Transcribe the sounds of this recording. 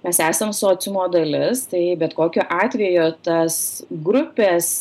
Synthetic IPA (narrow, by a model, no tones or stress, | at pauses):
mʲɛsæːsɐmsʊoːt͡s̪ʲɪmoːd̪ɐlʲɪst̪ɐɪbʲɛt̪koːkʲoːʔɑːt̪ʲʋʲɛjot̪ɐsɡɾʊpʲeːs